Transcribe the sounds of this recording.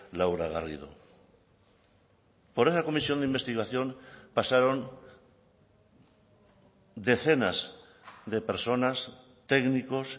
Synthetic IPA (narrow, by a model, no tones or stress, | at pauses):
lawɾaɣa̰rḭð̞o̰ | poɾe̞sako̞misjo̞nd̪imbe̞st̪iɣaθjo̞npasaɾo̞n | d̪e̞θe̞naz | ðe̞peɾso̞nas | t̪eɡniko̞s